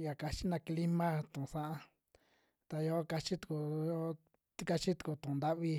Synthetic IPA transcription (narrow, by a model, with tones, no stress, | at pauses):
ja˨ka˧t͡ʃi˦nã˧kli˦mã˦t̪ũ˨sã˦ʔã˦ | t̪a˧jo˦ka˧t͡ʃi˦t̪u̥˨ku˧˨jo˦ | t̪i˦ka˧t͡ʃi˦t̪u̥˨ku˧t̪ũ˨˧nd̪a˦ʔβi˧